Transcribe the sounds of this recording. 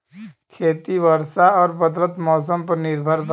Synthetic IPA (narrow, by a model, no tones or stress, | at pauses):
kʰeːt̪iʋəɾsaɔːɾbəd̪lət̪mɔːs̬əmpəɾnɪɾbʱəɾd̪